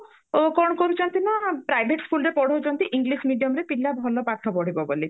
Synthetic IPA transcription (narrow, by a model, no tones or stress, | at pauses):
okɔɽ̃ɔkɔɾut͡ʃɔnt̪inapɾajbʱeʈskulɾepɔɽ̤oɦud͡ʒɔnt̪iʔiŋɡlismiɖijɔmɾepilabʱɔlɔpat̪ʰɔbɔɽ̤ibɔbo̰li